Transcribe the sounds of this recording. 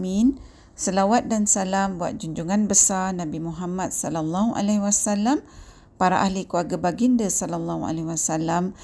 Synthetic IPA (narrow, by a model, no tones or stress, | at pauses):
mĩn | səlawat̪̚dansalambua̰t̪̚d͡ʒuɲd͡ʒuŋanbəsanãbimuɦamat̪̚sɔlalːaɦuʔa̰lɛhwasalam | paɾaʔahlikuaɡabaɡindəsɔlalːahua̰lɛwasalam